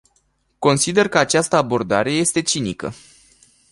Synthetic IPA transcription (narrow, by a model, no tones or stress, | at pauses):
ko̞nsid̪e̞rkəat͡ʃast̪əabo̞rd̪aɾe̞je̞st̪e̞t͡ʃinikə̰